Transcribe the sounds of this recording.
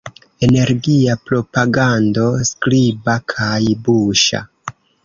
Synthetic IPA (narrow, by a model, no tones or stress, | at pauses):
e̞ne̞ɾɡiapɾo̞paɡando̞sklibakʰajbuʃa̰